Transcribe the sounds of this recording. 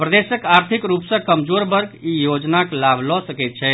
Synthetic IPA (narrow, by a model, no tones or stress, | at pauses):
pɾəd̪esəkaɾt̪ʰikɾupsə̃kəmd͡ʒoɾbəɾɡijod͡ʒnaklabʱlɔsəkɛt̪̚t͡ʃʰɛ